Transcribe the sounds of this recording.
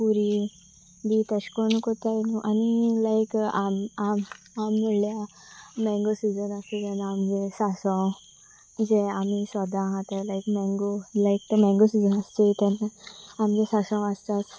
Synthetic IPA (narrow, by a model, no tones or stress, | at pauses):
puɾi | bit̪eɕkɔnukɔt̪anuʔanilajkamam | amːuɽljaː | ɛ̃ŋɡosid͡zənast̪et̪ɛnamd͡ʑesasɔ̃ | d͡zeamisʋad̪aɦãt̪əlajkmɛ̃ŋɡolajk̚t̪əmɛ̃ŋɡosid͡zənast̪et̪ɛnaamd͡ʑesasãwast̪as